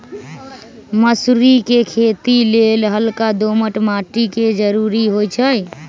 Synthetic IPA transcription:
məsɾikekʰet̪ilelɦəlkad̪oməʈmaʈiked͡ʒəɾuɾiɦojt͡ʃʰəj

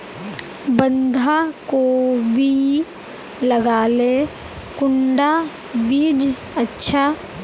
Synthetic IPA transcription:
bə̃nd̪ʱakobʱi | ləɡaːle | kʊɳɖa | biːd͡ʒ | ətːʃʰa

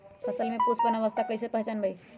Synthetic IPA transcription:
pʰəsəlmepusbənəʋəst̪ʰakəjsepəɦt͡ʃənbəj

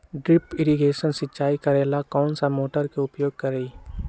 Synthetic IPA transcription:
ɖɾɪpɪɾiɡeːʃənsɪːt͡ʃaːikɐɾeːlakɔːnsamoːʈəɾkeʊpjoːɡ̚kɐɾei

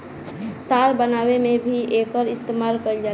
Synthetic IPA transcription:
t̪aːɾbənaːwemẽbʱiʔeːkəɾɪst̪eːmaːlkəld͡ʒaː

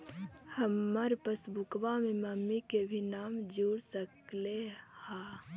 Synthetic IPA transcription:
həmːəɾpəsbukʋameməmːikebʱinaːmd͡ʒuːɽsəkleha

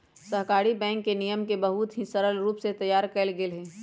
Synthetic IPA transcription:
səɦkaːɾibɛ̃ːŋkːenijəmkebəɦut̪ɦisəɾəlɾuːpset̪ɐjaːɾkɛɪlɡelɦɛ̃ː

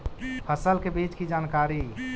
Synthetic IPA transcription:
pʰəsəlkebet͡ʃkid͡ʒankaɾi

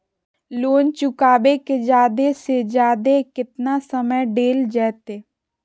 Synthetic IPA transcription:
loːnt͡ʃʊkaːbeked͡ʒjaːd̪esed͡ʒaːd̪ekɪt̪nasəməjɖeːld͡ʒɛːt̪eː

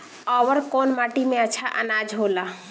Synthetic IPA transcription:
ɔʋəɾkonmaʈimẽət͡ʃʰaʔənad͡ʒɦola

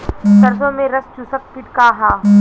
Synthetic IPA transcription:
sɐɾsomẽɾɐst͡ʃusək̚pɪʈkaːɦaː

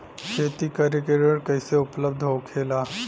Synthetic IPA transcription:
kʰeːt̪ikəɾekeɾəɾkɐɪseʊpləb̚d̪ʱɦokʰeːlaː

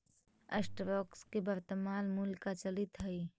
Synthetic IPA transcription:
əsʈɾoːkskebəɾt̪əmaːnmulkat͡ʃəlɪt̪ɦəi

